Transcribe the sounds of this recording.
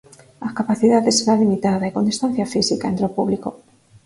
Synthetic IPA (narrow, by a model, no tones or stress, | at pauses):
ahkapaθiðaðeseɾalimit̪aðaikond̪ist̪ãn̟θjafisikaent̪ɾeopuβliko